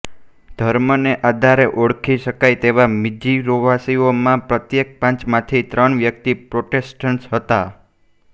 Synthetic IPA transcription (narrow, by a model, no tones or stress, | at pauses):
d̪ʱəɾməneʔad̪ʱaɾeʔoɽkʰiʃəkajt̪eʋamid͡ʒiɾoʋasiomãpɾət̪jek̚pãt͡ʃmãt̪ʰit̪ɾəɳʋjək̚t̪ipɾoʈesʈəɳʈsɦət̪a